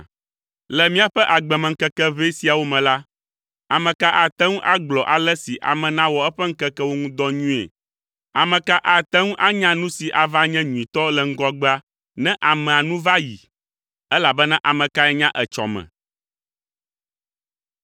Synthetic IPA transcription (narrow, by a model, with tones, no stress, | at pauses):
lɛ˨mĩ˦a˨ɸɛ˦ʔa˨ɡ͡bɛ˨mɛ˨ŋ̩˦kɛ˦kɛ˦ve˦si˦a˨wo˦mɛ̃˨la˦ | a˨mɛ̃˨ka˦ʔa˨t̪ɛ˦ŋũ˦ʔa˦ɡ͡blɔ˨ʔa˨lɛ˦si˨ʔa̰˨mɛ̃˨nã˦wɔ˨ɛ˦ɸɛ˦ŋ̩˦kɛ˦kɛ˦wo˦ŋũ˦d̪ɔ˦ɲũ˦ḛ˨ | a˨mɛ̃˨ka˦ʔa˨t̪ɛ˦ŋũ˦ʔa˦ɲã˦nũ˦si˨ʔa˨va˦ɲɛ̃˦ɲũ˨ĩ˨t̪ɔ˦lɛ˨ŋ̩˦ɡɔ˦ɡ͡ba˦ | nɛ̃˦ʔa˨mɛ̃˨a˨nũ˦va˦jḭ˨ | ɛ˦la˨bɛ˦nɛ̃˦ʔa˨mɛ̃˨ka˦ɛ˦ɲã˦ʔɛ˨t͡ʃɔ̰˨mɛ̰̃˨